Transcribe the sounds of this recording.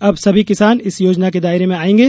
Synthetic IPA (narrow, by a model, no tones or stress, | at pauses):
ɐbsɐbʱikɪsaːnɪsjoːd͡ʒnaked̪aːɪɾemẽaːẽːŋɡeː